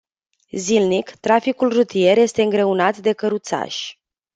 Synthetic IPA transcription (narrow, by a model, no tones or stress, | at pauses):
zilnikt̪ɾafikulrut̪ije̞ɾje̞st̪e̞ɨŋɡɾe̞unat̪d̪e̞kəɾut̪sa̰ʃʲ